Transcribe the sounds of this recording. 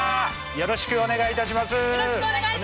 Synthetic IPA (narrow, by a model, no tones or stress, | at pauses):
jo̞ɾo̞ɕi̥kɯ̟o̞ne̞ɡait̪aɕ̬imasɨ